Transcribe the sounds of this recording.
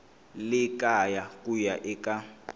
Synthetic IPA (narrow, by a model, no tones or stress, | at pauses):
lɪkʼajakʼujaʔɪkʼa